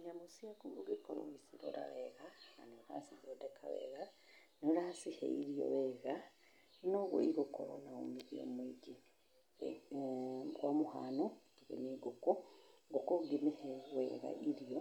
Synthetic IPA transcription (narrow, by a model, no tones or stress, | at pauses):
ɲamusiakumbuɡikolo̰isiɾo̰ɾa̰βeɣana̰neɾa̰sizodekʰaβḛɣa | neɾasihḛiɾijo̰βeɣa | noɣwo̰iɡukoɾo̰nao̰miɾio̰mwiɟi | ɡwamuha̰no | iɣḛniɡukuŋɡokuɡimiheweɣa̰ʔiɾijo